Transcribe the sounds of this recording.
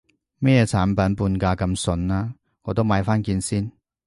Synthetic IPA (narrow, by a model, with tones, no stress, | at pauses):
mɛː˥jɛː˨˧t͡sʰaː˨˥npɐ˨˥npuː˧nkaː˧kɐ˧msɵ˧naː˥ | ŋɔː˨˧t̪o˥wmaː˨˧jfaː˥nkiː˧nsiː˥n